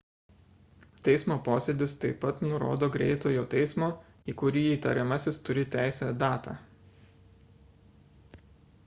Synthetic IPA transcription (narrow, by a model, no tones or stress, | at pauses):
t̪ʲɛɪsmoːpoːsʲɛd̪ʲɪst̪ɐɪpɐt̪nʊɾo̰ːd̪oːɡɾʲɛɪt̪oːjoːt̪ʲɛɪsmoː | iːkʊɾʲiːiːt̪ɐ̰ɾʲɛmɐsʲɪst̪ʊɾʲɪt̪ʲæˑɪsʲɛd̪ɑːt̪ɑ̰ː